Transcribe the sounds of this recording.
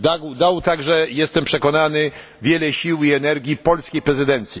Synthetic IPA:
d̪aɡwd̪awt̪aɡʐɛjɛst̪ɛmpʂɛkɔnanɘ | vʲjɛlɛɕiwiɛnɛɾɡʲjipɔlskʲejpɾɛzɘd̪ɛnt̪sʲji

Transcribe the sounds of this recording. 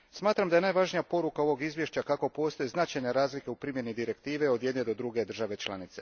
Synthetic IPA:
smaːt̪ɾamd̪ajenajʋaʒnijapo̞ɾukao̞ʋo̞ɡizʋje̞ʃt͡ɕakako̞po̞ːst̪o̞jiznat͡ʃajɲaɾaːzlike̞upɾimje̞nid̪iɾe̞kt̪iːʋe̞o̞d̪je̞d̪ned̪o̞d̪ɾuɡe̞d̪r̩ʒaʋe̞t͡ʃlˠa̰nit̪se̞

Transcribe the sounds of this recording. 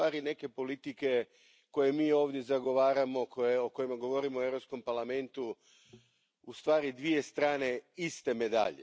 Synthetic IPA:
aːɾine̞ke̞po̞lit̪ike̞ | ko̞je̞miːo̞ːʋd̪je̞zaɡo̞ʋaːɾamo̞koeoko̞jimaɡo̞ʋo̞ɾimoeʋɾo̞psko̞mpaɾlˠame̞nt̪u | ust̪ʋaːɾid̪ʋije̞st̪ɾaːne̞ist̪e̞me̞d̪a̰ʎe

